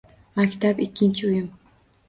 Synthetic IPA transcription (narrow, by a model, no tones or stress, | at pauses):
makʲʰi̥t̪ʰapikʲʰːinʲt͡ʃʰujɪm